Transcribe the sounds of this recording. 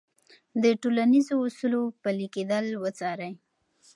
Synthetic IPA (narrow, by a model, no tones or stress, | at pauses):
d̪əʈolanizoʊsulopəliked̪əlwət͡sɑɾaj